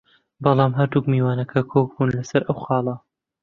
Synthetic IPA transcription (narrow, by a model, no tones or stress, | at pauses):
bɑlˠɑːmɦɐɾd̪uːkmiːwaːnɐkʰɐkʰoːk̚buːnlɐsɐɾʔɐwxɑːlˠɐ